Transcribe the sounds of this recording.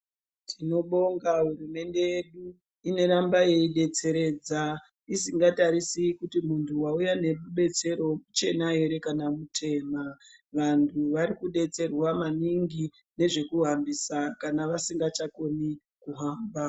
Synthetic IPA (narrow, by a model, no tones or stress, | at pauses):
tʰino̞ɓo̞ŋɡaɦurume̞nde̞jeɗu | ine̞ɾambaje̞iɗe̞t͡se̞ɾe̞ːd͡za | isiŋɡataɾisikutimuntʰuwaujane̞ɓuɓe̞t͡se̞ɾo̞mut͡ʃe̞naɦe̞ɾe̞kanamutʰe̞ːmaʋantʰuʋaɾikuɗe̞t͡se̞rwamaniŋɡi | ne̞ʐe̞kuɦambisakanaʋasiŋɡat͡ʃako̞ni | kuɦaːmba